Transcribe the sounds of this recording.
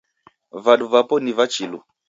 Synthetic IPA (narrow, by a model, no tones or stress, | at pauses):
vaɗuvapɔnivat͡ʃilu